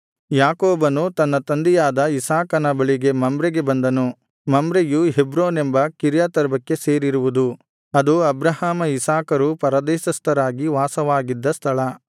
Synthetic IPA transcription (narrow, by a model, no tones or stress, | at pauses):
jaːkoːbɐnut̪ɐnːɐt̪ɐnd̪ijaːd̪ɐisaːkɐnɐbɐɭiɡe̞mɐmbɾɛɡe̞bɐnd̪ɐnu | mɐmbɾejuɦebɾoːnembɐkiɾjat̪ɐɾbɐkːe̞seːɾiɾuʋud̪u | ɐd̪uɐbɾɐhaːmɐisaːkɐɾupɐɾɐd̪ɛːʃɐst̪ʰɐɾaːɡiʋaːsɐʋaːɡid̪ːɐst̪ʰɐɭɐ